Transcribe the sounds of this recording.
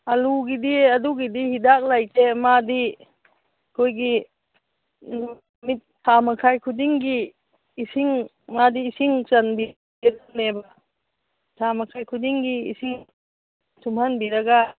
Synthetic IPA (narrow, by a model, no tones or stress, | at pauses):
aluɡidiaduɡidihidak̚lajtemadi | kʰojɡi | mit̚tʰːamakʰajkʰudiŋɡiː | siŋ | madiːsiŋt͡ʃanbi | edaneba | tʰamakʰajkʰudiŋɡḭːsiŋ | tumhanbiɾaɡa